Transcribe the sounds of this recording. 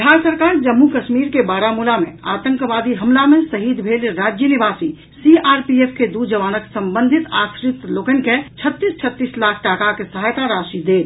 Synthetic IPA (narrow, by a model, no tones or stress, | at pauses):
ɦaɾsəɾkaːɾd͡ʒəmːukəʃmiɾkebaːɾamulamḛ̃at̪ə̃ŋkʋaːd̪iɦəmlamẽsəɦid̪bʱeːlɾaːd͡ʒjənibaːsi | siaːɾpiepʰked̪ud͡ʒəʋaːnəksəmbə̃nd̪ʱit̪asɾɪt̪loːkənket͡ʃʰət̪ːist͡ʃʰət̪ːiːslaːkʰʈaːkakesəɦaːjt̪aɾaːʃid̪eːt̪